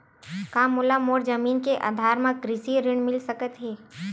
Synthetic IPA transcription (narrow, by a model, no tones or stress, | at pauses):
kaːmʊlamoːɾd͡ʒəmiːnkeʔa̰ːd̪ʱaːɾmãkɾɪsiɾɪɳ̃mɪlsəkət̪ɦɛː